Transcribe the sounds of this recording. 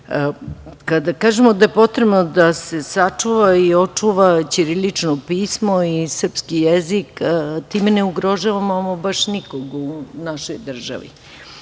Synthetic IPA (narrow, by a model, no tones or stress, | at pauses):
kad̪akaːʒemod̪aepo̞t̪ɾebnod̪ase̞sat͡ʂuʋaio̞t͡ʂuʋat͡ɕiɾilit͡ʂnopiːsmo̞isr̩pskijezikt̪iːmeneuɡɾo̞ʒaʋamamobaʃnikoɡunaʃojd̪r̩ʒa̰ʋḭ